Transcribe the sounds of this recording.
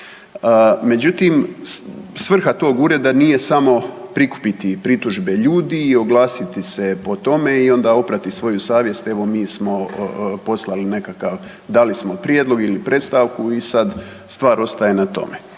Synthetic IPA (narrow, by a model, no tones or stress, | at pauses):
əme̞d͡ʑut̪im | sʋr̩xat̪o̞ːɡuɾe̞d̪anije̞samo̞pɾiku̥pit̪ipɾit̪uʒbe̞ʎuːd̪io̞ɡlˠaːsit̪ise̞po̞t̪o̞meio̞nd̪aːo̞pɾat̪isʋo̞jusaːʋje̞st̪e̞ʋo̞miːsmo̞po̞slˠaline̞kakaʋ | d̪alismo̞pɾjed̪lˠo̞ɡilipɾʔe̞t̪st̪aʋkuisad̪ | st̪ʋaːɾo̞st̪ajenat̪o̞̰me